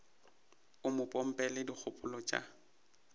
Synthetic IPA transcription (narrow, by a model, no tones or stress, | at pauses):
ʊmʊpʼɔm̩pʼɛlɪdik͡xʰʊpʼʊlɔt͡ʃʼa̰